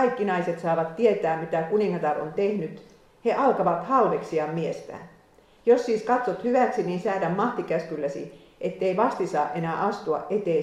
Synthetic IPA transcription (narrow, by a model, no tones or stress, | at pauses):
ɑjkːinɑiset̪sɑːʋɑt̪ːiet̪æːmmit̪ækuniŋːɑt̪ɑront̪e̞hnyt̪ | he̞ʔɑlkɑʋɑt̪hɑldeksiɑmmiest̪æ̰ | josːiːskɑt̪sot̪hyʋæksiniːnsæːdæmmɑht̪ikæskylːæsḭ | ʔet̪ːeiʋɑst̪isɑːʔe̞næːʔɑst̪uɑ̰ʔʔet̪e